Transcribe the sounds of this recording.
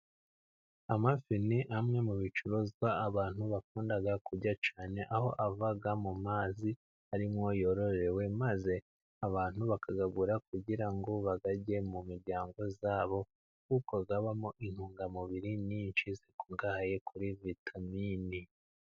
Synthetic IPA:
amafiniʔamŋe̞muβit͡ʃuɾozɡwaːβaːnhuβakuːndaɡakuɟat͡ʃaːne̞ʔaho̞ʔavaɡamumaːzi | haɾimŋo̞jo̞ɾo̞ɾe̞we̞maze̞ | aβaːn̥huβakʰaɡaɡuɾakuɟiɾaŋɡo̞βaɡaɟe̞mumiɾɟaːŋɡo̞zaːβo̞ | kukoɡaβamoʔin̥huːŋɡamuβiɾininʃize̞ku̥ŋɡaːhaje̞kʰuɾivitʰamini

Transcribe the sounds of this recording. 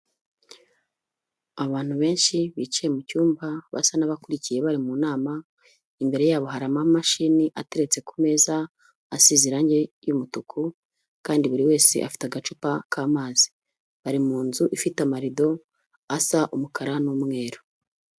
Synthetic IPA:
aβaːn̥huβe̞ːnʃiβicije̞mucuːmbaβa̰sanaβakuɾicije̞βaɾimuːnaːma | imbe̞ɾe̞jaːβo̞ɦaɾamamaʃiniʔate̞ɾe̞t͡se̞kume̞zaː | siziɾaɲɟe̞jumutukʰu | kaːndiβuɾiwe̞ːse̞̰ʔa̰fi̥taɡat͡ʃupakʰaːmaːz̥i̥ | βaɾimuːnzuʔifitamaɾido̞ | asaʔumukʰaɾanumŋe̞ːɾo̥

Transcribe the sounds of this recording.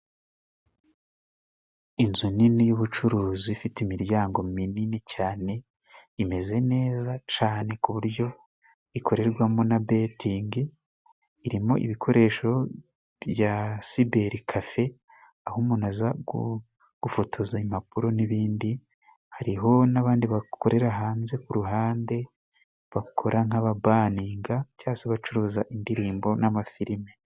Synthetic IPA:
inzuninijuβut͡ʃuɾuːziifitimiɾjaːŋɡo̞mininicaːne̞ | ime̞ze̞ne̞ːzat͡ʃaːne̞kuβuɾjo̞ | ikʰo̞ɾe̞ɾɡwamo̞nabetʰiːŋɡiː | ɾimo̞̰ʔḭβikʰo̞ɾe̞ːʃo̞ | βjasibe̞ɾikʰafe̞ | ahumunazaɡu | ɡ̥ufotʰozaim̥apuɾo̞niβiːndi | haɾiɦo̞naβaːndiβakʰo̞ɾe̞ɾaɦaːnze̞kuɾuɦaːnde̞ | βakʰo̞ɾʔaŋ̥aβabaːniːŋɡacjaːseβat͡ʃuɾuːzaʔindiɾiːmbo̞namafiɾime

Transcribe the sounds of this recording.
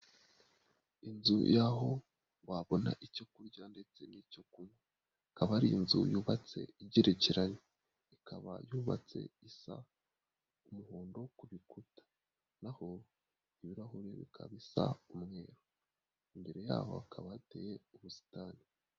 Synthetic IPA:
inzṵjaɦo̞ | waβo̞na̰ʔicokuɾɟande̞t͡se̞nico̞kuma | kaβaɾinzṵjuːβat͡se̞̰iɟiɾeciɾaɲi | ikʰaβa̰juːβa̰t͡se̞̰isa̰ | umuhoːndo̞kuβikutḁ | naho | iβiɾaɦuɾeβḭkʰa̰βisa̰umŋe̞ːɾo | imbe̞ɾe̞ja̰ːho̞̰akʰaβaatḛje̞uβusi̥taːni

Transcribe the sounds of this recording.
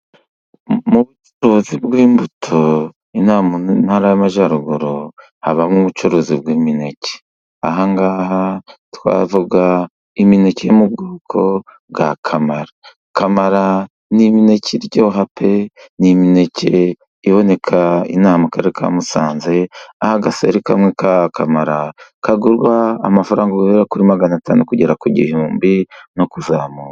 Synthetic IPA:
muβut͡ʃoɾo̞zibɡwiːmbutʰo | inamnaɾajamaʒaɾuɡuɾo | haβamŋuβut͡ʃoɾo̞ːzib̚ɡwiːmine̞ce̥ | aɦaŋɡaːɦatwa̰ːvuɡa | imine̞cejomub̚ɡoːkʰo̞bɡakʰamaɾa | kamaɾa | nimine̞ciɾɟo̞ːɦapʰenimine̞ce | iβo̞ne̞kʰaḭnaːmakaɾeɾekʰa̰musaːnze̞ahaɡasḛɾikamŋekakʰamaɾakaɡuɾɡwaːmafaɾaːŋɡaɡuheɾakuɾimaɡanataːnukuɟeɾakuɟḭhuːmbino̞kuzaːmuːɾa

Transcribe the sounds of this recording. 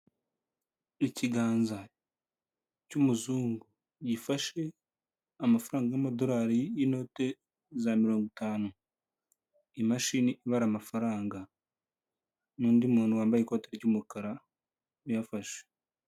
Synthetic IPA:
iciɡaːnza | cumuzuːŋɡu | ɟifaʃe̞ | amafaɾaːŋɡajamado̞ɾaːɾijino̞ːte̞ | zamiɾo̞ːŋɡitaːnu | imaʃiniʔiβaɾamafaɾaːŋɡa | nuːndimuːnuwaːmbajekoteɾeɟuːmukaɾa | ujafaʃe̥

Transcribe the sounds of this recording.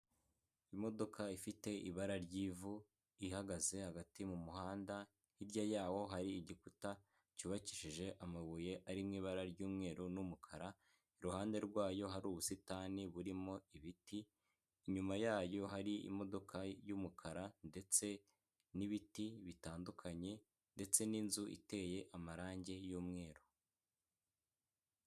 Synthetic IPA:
imo̞do̞kaifite̞ʔiβaɾaɾɟiːvu | ihaɡaze̞haɡatimumuɦaːnda | hiɾɟajaːwo̞ɦaɾiːɟikuta | cuβaciʃiʒe̞ʔamaβuje̞ʔaɾimŋiːβaɾaɾɟuːmŋe̞ːɾunumukʰaɾa | iɾuhaːnde̞ɾɡwaːjo̞ɦaɾuːβusitaniβuɾimo̞iβitiː | ɲumajaːjo̞ɦaɾiḭmo̞do̞kʰajuːmukʰaɾande̞t͡se̞ | niβitiβitaːndukʰaɲe̞ | nde̞t͡se̞ninzuʔḭte̞je̞ʔamaɾaːɲɟe̞juːmŋe̞ːɾo̥

